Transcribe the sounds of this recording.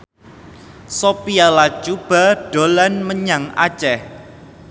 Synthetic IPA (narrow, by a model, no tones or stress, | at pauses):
sopialat͡ʃub̥a̤ɖ̥olanməɲaŋa̰t͡ʃɛh